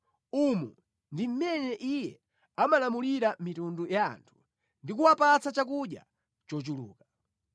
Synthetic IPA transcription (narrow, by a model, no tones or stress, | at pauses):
umu | ndim̩mɛnɛʔijɛ | amalamuliɾamitunduja̰ːntʰu̥ | ndik̬uwapat͡sat͡ʃak̬uɗja̰ | t͡ʃɔt͡ʃulṵːka